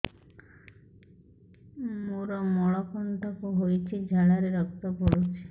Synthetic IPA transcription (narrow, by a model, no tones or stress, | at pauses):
muɾɔmɔɭɔkʰɔnʈʰɔkoɦojt͡ʃʰid͡ʒʱaɭaɾeɾɔk̚t̪ɔpɔɽut͡ʃʰi̥